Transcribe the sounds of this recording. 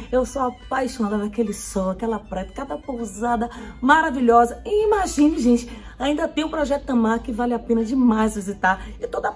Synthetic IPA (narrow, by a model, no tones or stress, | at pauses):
ewsoapajʃond̪adɐkelɪsɔ̃akɛlɐpɾɛt̪ɐ̥kad̪ɐpowzad̪ɐmaɾaviʎɔzɐɪimaʒĩnɪʒẽt͡ʃɪ̥ | aĩnd̪ɐt̪ẽj̃ũpɾɔʒɛt̪ʊd̪ɐ̃maɾkɪvalɪapẽnɐd͡ʒɪmajzvizit̪aɾɪt̪od̪ɐ